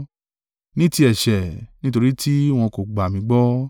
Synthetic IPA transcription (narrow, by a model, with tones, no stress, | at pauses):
nĩ˦ti˧ɛ˨ʃɛ˨nĩ˦to˧ɾi˦tʰi˦w̃ɔ̃˧ko˨ɡ͡ba˨mĩ˧˦ɡ͡bɔ˦